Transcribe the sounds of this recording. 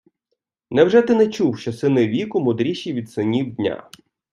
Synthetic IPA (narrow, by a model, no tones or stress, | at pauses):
nɛwʒɛt̪ɪnɛt͡ʃuwʃt͡ʃɔsɪnɪʋʲikʊmʊd̪ɾʲiʃiʋʲid̪sɪnʲiwdʲnʲa̰